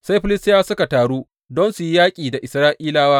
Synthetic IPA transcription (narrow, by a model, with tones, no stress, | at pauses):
sa˦jɸɪ˦lɪ˦stɪ˦jaː˦sʊ˦ka˨taː˨ɽuː˦ | dɔ˦nsu˨ji˦jaː˦kʲʼiː˨da˨ʔɪ˨sɾaː˦ʔiː˦laː˦waː˦